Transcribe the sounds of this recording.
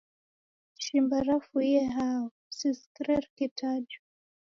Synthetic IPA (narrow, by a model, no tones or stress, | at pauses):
ʃimbaɾafuiɛɦaɔ | siskɾɛɾkitʰad͡ʒu